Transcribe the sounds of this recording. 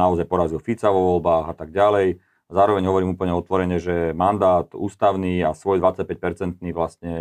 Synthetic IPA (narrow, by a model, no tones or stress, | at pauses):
naɔzajpɔɾazilɔfit͡saʋɔʋɔlbaːɣat̪aɡ̚ɟalɛj | azaːɾɔʋɛɲɦɔʋɔɾiːmuːpl̩ɲɛɔt̪ʋɔɾɛɲɛʒɛmand̪aːt̪ṵːst̪aʊniːasʋɔjd̪ʋat͡sac̚pɛc̚pɛɾt͡sɛnt̪niːʋlast̪ɲɛ